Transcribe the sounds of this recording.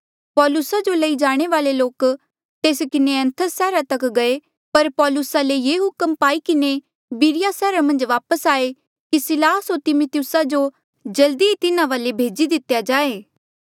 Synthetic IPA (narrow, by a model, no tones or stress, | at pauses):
pɔːlʊsad͡ʒolɐid͡ʒaːɽ̃eʋaːleloːk | t̪eːskɪneɐ̃nt̪ʰəsɛːɾat̪ɐkɡɐe | pɐɾpɔːlʊsalejeːɦʊkəmpaːikɪne | biɾɪjasɛːɾamɐ̃nd͡ʒʋaːpəsaːe | kisɪlaːsot̪ɪmʊt̪jʊsad͡ʒo | d͡ʒɐld̪iit̪ɪnãʋaːlebʱeːd͡ʒid̪ɪt̪jad͡ʒaːeː